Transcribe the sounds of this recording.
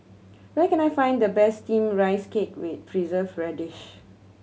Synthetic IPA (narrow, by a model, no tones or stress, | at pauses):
wɛkɛ̃najfãɪ̃ndəbɛstĩmɹaɪsket̚wɪt̚pʰɹizəvɹɛdiʃ